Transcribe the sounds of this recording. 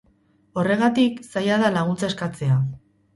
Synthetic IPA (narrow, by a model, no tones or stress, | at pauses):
o̞re̞ɣ̞at̪iksajaðalaɣunt͡saeskat͡se̞a